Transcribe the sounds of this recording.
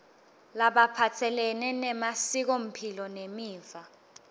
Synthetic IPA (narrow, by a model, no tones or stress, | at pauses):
laɓapʰatʰɛlɛnɛnɛmasik̬om̩pʰilɔnemiːva